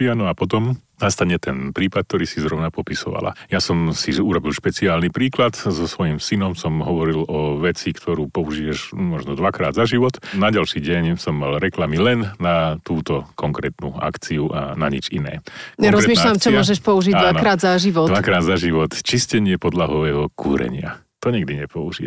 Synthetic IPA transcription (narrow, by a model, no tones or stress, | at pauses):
anɔapɔt̪ɔmnast̪aɲɛt̪ɛnpɾiːpat̪̚t̪ɔɾiːsizɾɔʊnapɔpisɔ̰ʋa̰la̰jasɔmsiuɾɔbilʃpɛt͡siaːlnipɾiːklat̪zɔsʋɔjimsinɔmsɔmɦɔʋɔɾilɔʋɛt͡sikt̪ʰɔɾuːpɔuʒiːɛʃʒmɔʒnɔd̪ʋakɾa̰ːd̪zaʒiʋɔt̪naɟalʃiːɟɛɲsɔmːalɾɛklamilɛnnat̪uːt̪ɔkɔŋkɾɛːt̪nṵa̰kt͡siuʔanaɲḭt͡ʃinɛ̰ːkɔŋɾɔɾɛːzmiːnaalamt͡ʃɔmiɔʒɛʃpɔuʒiɟdaanɔkɾaːd̪zaʒiʋɔʋakɾaːd̪zaʒiʋɔt̪t͡ʃiscɛɲɪɛpɔd̪laɦɔʋɛːɦɔkʰṵːɾɛ̰ɲɪa̰ | t̪ɔɲɛɡd̪iɲɛpɔuʒi